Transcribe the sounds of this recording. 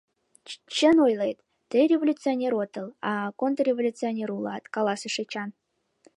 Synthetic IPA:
t͡ɕənojlˠejt̪ːerʲevolʲut̪t͡sɨonʲeɾot̪əlˠɑkont̪rrʲevolʲut͡sɨonʲeɾulˠɑt̪kɑlˠɑsəʃet͡ɕɑn

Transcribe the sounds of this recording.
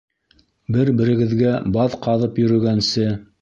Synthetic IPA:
bɘɾbɘ̆ɾɘ̆ɡɘ̆ðɡæbɑðqɑðɤpjɵ̆ɾɵ̆ɡænsɘ

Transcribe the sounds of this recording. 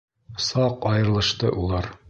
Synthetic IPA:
sɑqɑjɤ̆ɾɤ̆lˠɤ̆ʃt̪ɤʔulˠɑɾ

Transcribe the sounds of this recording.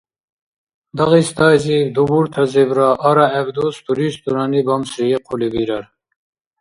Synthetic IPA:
d̪ɐʁist̪ɑːzid̪ubuɾt̪ʰɐzibɾaʔːɾɑɛbd̪ust̪uɾist̪uɾɑnibamsɾijeqʰulibiɾɐɾ

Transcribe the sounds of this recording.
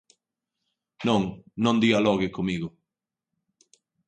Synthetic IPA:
nõŋnõnd̪ialɔɣɪkomiɣʊ

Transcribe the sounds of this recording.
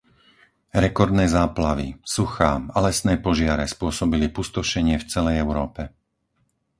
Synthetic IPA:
ɾɛkɔɾd̪nɛːzaːplaʋḭsuxaːalɛsnɛːpɔʒɪaɾɛspʊɔsɔbilipust̪ɔʃɛɲɪɛft͡sɛlɛjɛʊɾɔːpɛ

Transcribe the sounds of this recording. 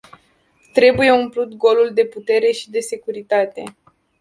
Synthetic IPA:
t̪ɾe̞buje̞umplut̪ɡo̞luld̪e̞put̪e̞ɾe̞ʃid̪e̞se̞kuɾit̪at̪e

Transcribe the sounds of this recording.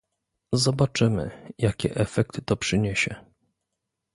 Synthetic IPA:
zɔbat͡ʂɘmɘ̰jakʲɛ̰ʔɛfɛk̚t̪ɘ̥t̪ɔpʂɘɲeɕɛ

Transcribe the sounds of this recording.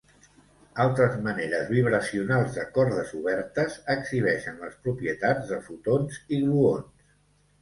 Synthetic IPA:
alˠt̪ɾəzməneɾəzβiβ̞ɾəsiunalˠzðəkɔɾðəzuβ̞ɛɾt̪əzəksiβ̞ɛʃənləspɾupɾiət̪ad͡zðəfut̪onziɣluons

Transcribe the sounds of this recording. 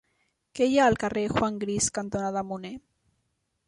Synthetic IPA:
keʎaːlkarexwaŋɡɾiskant̪onaðamune

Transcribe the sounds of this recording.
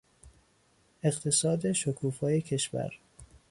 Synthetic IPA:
e̞ɢt̪ʰe̞sɒːd̪e̞ʃokʰuːfɒːje̞cʰe̞ʃvæ̰ɾ

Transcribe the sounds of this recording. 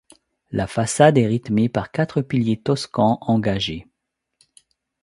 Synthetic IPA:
lafasad̪ɛʁit̪mepaʁkat̪χəpiljet̪ɔskɑ̃ʔɑ̃ɡaʒe

